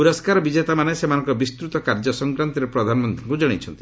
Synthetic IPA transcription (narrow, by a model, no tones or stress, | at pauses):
puɾɔskaɾɔbid͡ʒet̪amanesemanɔŋkɔbist̪ɾut̪ɔkaɾd͡ʒɔsɔŋkɾant̪iɾepɾɔd̪ʱanɔmɔnt̪ʰiŋkud͡ʒɔɽ̃it͡ʃʰɔnt̪i̥